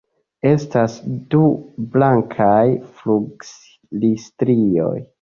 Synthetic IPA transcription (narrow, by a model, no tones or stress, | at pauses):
e̞stasdublaŋkʰajfluɡs | listɾio̞̰j